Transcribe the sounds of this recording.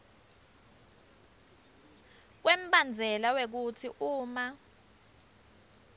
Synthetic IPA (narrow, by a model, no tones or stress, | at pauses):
k̬wem̩ɓand͡zʱɛlawek̬utʰiʔuːma